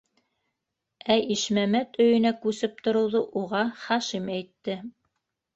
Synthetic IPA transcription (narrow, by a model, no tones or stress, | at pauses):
æʔiʃmæmæt̪ɵ̆jɵ̆nækʉsɘp̚t̪ŏɾŏwðɤʔuʁɑχɑʃimæjt̪ːɘ